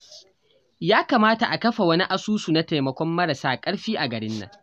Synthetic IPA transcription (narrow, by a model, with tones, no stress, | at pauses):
jaː˦kaː˨maː˦ta˨ʔa˨kɐ˦ɸa˨wɐ˦ni˦ʔa˦suː˦su˨na˦teː˨mɐ˨kʷɔ˦mːɐ˦ɽɐ˨saː˦kʼɐ˦ɽɸiː˦ʔa˨ɡɐ˨ɽɪ˦nːɐ̰˨ŋ